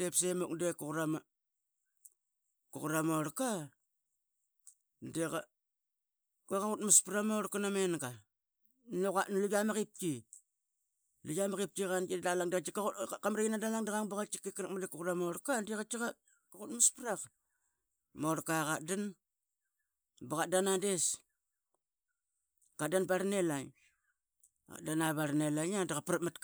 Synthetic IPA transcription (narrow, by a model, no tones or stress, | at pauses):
depsemuk̚dekukɾama | kukuɾamoɾka | deka | kekaɣutmaspɾamoɾkanamenɡa | nokanluɡamaɣip̚ki | luɡamaɣip̚tiɣanidalaŋdiat͡ʃikaukamɾajinadalaŋdaɣaŋbaɣat͡ʃi̥kekɾak̚madikukuɾamoɾkandiɣat͡ʃiɣa | aɣutmaspɾak | moɾkaɣadan | baɣadanades | kadanbaɾnelaŋ | a̰danaβaɾnelaɲadaɣapɾamat